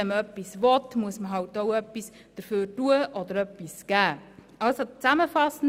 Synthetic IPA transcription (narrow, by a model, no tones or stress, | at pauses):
ɛməœpːisʋɔtmuəsməɦɑwtoʊœpːis | d̥əɾføːtuəʔɔd̪əɾœpːisɡ̥æː | ɑlsot͡sæməfɑsən̩